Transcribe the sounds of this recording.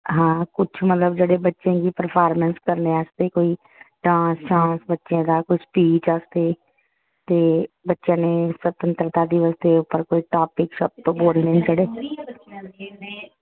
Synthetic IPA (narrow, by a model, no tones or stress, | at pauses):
ɦãːkʊt͡ʃʰmət̪ləbd͡ʒeːɽeːbətːʃãːɡiːpəɾpʰaːɾmənskəɾnẽːəːst̪eːkoːiː | ɖãːsʃãːsbətːʃjãːd̪aːkʊspiːt͡ʃaːst̪eː | t̪eːbətːʃjãːneːsət̪ənt̪ɾət̪aːd̪iːʋəst̪eːʊpəɾkoːiːʈaːpɪksəp̚t̪boːlneːnd͡ʒeɽeː